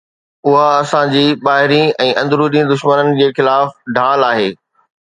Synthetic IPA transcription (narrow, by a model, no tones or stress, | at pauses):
ʊɦaɐsãd͡ʑiːɓaːɦɪɾĩɛ̃ːʔɐ̃nd̪ɾuɗĩd̪ʊʃmənənɪ̆d͡ʑeːxɪlaːfɖʱaːlaːɦeː